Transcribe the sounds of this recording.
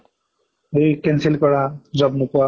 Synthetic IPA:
ejkensilkɔɾad͡ʑɔbnupua

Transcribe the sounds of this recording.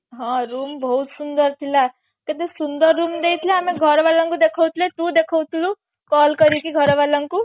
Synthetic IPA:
ɦʌ̃rumbʌɦut̪sund̪ʌrt̪ʰila | ket̪esund̪ʌrːumd̪ejt̪ʰilaːmiɡʱʌɾbalʌŋkud̪ekʰʌwt̪ʰilet̪ud̪ekʰʌwt̪ʰilu | kʌlkʌɾikiɡʱʌɾʌbalʌŋku

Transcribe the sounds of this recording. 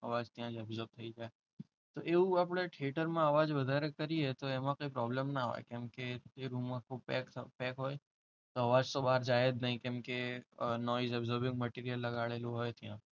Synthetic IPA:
ə̰ʋad͡ʒt̪ijãd͡ʒɛbzəɾb̚t̪ʰəid͡ʒae | t̪oʔeũapɽ̃eʈʰeʈəɾmãəʋad͡ʒʋəd̪ʱaɾekəɾiet̪oɛmãkoːipɾɔblemnaɦo̰jkɛ̃mket̪eɾumːãkʰubpɛkpɛkɦoːj | t̪oəʋad͡ʒt̪obaɾd͡ʒaed̪nəɦĩkɛ̃mkenɔizɛbzəɾbɪ̃ŋɡməʈiɾijəlːəɡaɭelũɦojt̪ʰijã

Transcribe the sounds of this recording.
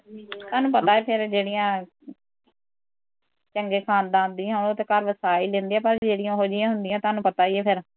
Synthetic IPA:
t̪aːnũːpət̪aːeːpʰɪɾd͡ʒeːɽɪjãː | t͡ʃəŋɡeːkʰaːnd̪ãːnd̪iːãt̪eːkəɾʋəsaːiːlẽːnd̪iːãːpəɾd͡ʒeːɽɪjãːɦoːd͡ʒɪjãːɦʊnd̪ɪjãːt̪oaːnũːpət̪aːiːɛːpʰɪɾ

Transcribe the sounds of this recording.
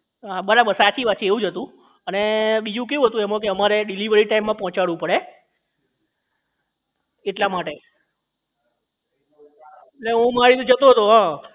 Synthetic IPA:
ɦaɓəɾabəɾsat͡ʃiʋat͡ʃʰieʋũd͡ʒət̪ũ | əneɓid͡ʒũk̬eʋũɦət̪ũɛmõk̬eəmaɾeɖiliʋəɾiʈaimːãpɔɦɔ̃t͡ʃaɽũpəɽe | eʈlamaʈe | leɦũmaɾit̪d͡ʒət̪oɦət̪oɦã

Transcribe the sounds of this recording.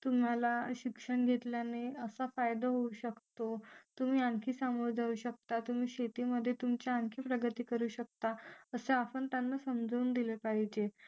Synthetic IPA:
t̪um̤alaɕikʂəɳɡʱet̪ljaneəsafajd̪aɦouɕəkt̪ot̪um̤iːãŋkʰiːsamoɾd͡zʱauːɕək̚t̪at̪um̤iːɕet̪iːməd̪ʱːjet̪umt͡ɕaãŋkʰiːpɾəɡət̪iːkəɾuːɕək̚t̪aəseapənt̪janːasəmd͡zʱouːnd̪ilepaɦid͡ʑe

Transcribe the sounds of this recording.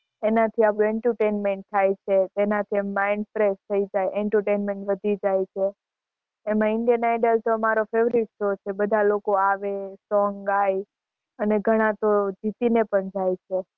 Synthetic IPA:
enat̪ʰiapɽ̃ũɛɳʈəɾʈenmeɳʈ̚t̪ʰajt͡ʃʰet̪enat̪ʰiɛmːaɪɳɖfɾest̪ʰəid͡ʒajʔɛɳʈəɾʈenmeɳʈʋəd̪ʱid͡ʒajt͡ʃʰeː | mãɪɳɖijənajɖəlʈoəmaɾofeʋɾiʈsot͡ʃʰebəd̪ʱalokoaʋesɔŋɡaj | əneɡʱəɽ̃ãt̪od͡ʒit̪inepəɳd͡ʒajt͡ʃʰe

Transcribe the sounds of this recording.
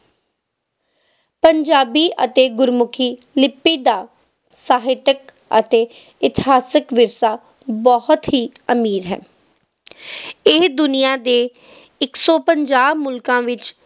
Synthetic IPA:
pəɲd͡ʒaːbiːʔə̰t̪eːɡʊɾmʊkʰiː | lɪpːiːd̪aː | saːɦɪt̪ək | ə̰t̪eː | ɪt̪ɪ̥ɦaːsəkʋɪɾsaː | bɔhʊt̪ɦiː | əmiːɾɦɛ̰ː | ɪd̪ʊnijaːd̪eː | ɪksɔːpəɲd͡ʒaːbmʊlkãːʋɪt͡ʃ

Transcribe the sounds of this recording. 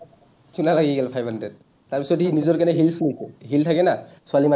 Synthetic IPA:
tʰunalaɡiɡɛlpʰajbʱandɹɛd̚ | tːaɹpisɔthinizɔɹkanɛɦilsikɦiltʰakɛnasualima

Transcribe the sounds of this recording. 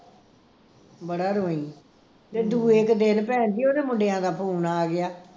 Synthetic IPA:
bəɽaːɾoːiː | t̪eːd̪uːekd̪ɪnpɛ̃ːnd͡ʒ̪iːoːd̪eːmʊɖejãːd̪aːpʰuːnaːɡɪjaː

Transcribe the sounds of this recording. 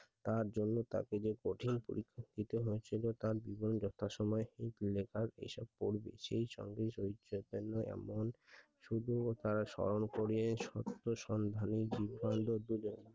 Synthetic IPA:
t̪aɾd͡ʑonːot̪a̰ked͡ʑekoʈʰinpo̰ɾikʰːokit̪oɦoet͡ɕʰilot̪aɾbibond͡ʑɔt̪ʰaʃɔmɔehit̪lekʰaɾḛjʃɔb̚poɾbḛʃḛjʃɔ̰ŋɡeʃoɦiopenːoʔɛ̰mon | ʃud̪ʱut̪aɾaʃɔ̰ɾonkoɾienʃɔ̰t̪ːoʃɔnd̪ʱanid͡ʑiband̪od̪ud͡ʑon

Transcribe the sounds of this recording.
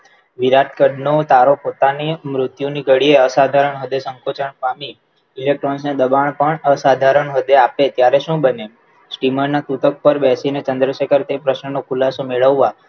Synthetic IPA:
ʋiɾaʈ̚kəɖnot̪aɾopot̪animɾʊt̪juniɡəɽieəsad̪ʱaɾəɳɦəd̪esə̃ŋkot͡ʃəɳkami | ilek̚ʈɾɔnsned̪əbaɳ̃pəɳəsad̪ʱaɾəɳʋəd̪eapet̪jaɾeʃũbəne | sʈiməɾnat̪ut̪ək̚pəɾbɛsinet͡ʃənd̪ɾəʃekʰəɾt̪epɾəʃnənokʰulasomeɭəʋːa

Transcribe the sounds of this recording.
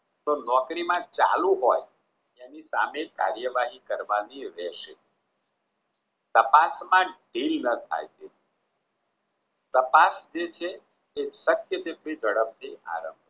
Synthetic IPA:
t̪onɔkɾimãt͡ʃa̰lũɦoj | enisa̰meka̰ɾjəʋaɦikəɾʋaniɾɛʃḛ | t̪əpasmãɖilnət̪ʰa̰jt̪e | t̪əpasd͡ʒet͡ʃʰeː | ʃəkjəd̪epɽid͡ʒʱəɽəb̚t̪ʰiʔa̰ɾə̰̃mbʱ

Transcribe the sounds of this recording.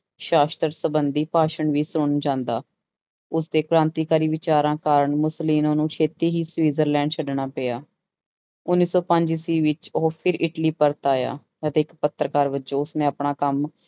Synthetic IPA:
ʃaːst̪əɾsəbənd̪iːpaːʃəɳʋiːsɾʊɳd͡ʒãːnd̪aː | ʊsd̪eːkɾãːnt̪iːkaːɾiːʋɪt͡ʃaːɾãːkaːɾəɳmʊsliːnõːnũːt͡ʃʰeːt̪iːɦiːsʋiːzəɾlɛ̃ːɳɖt͡ʃʰəɖɳaːpeːjaː | ʊnːiːsɔːpə̃ɲd͡ʒiːsiːʋɪt͡ʃopʰɪɾɪʈliːpəɾt̪aːja̰ː | ət̪eːkpət̪ːɾəkaːɾʋət͡ʃõːʊsnẽːapɳaːkəm

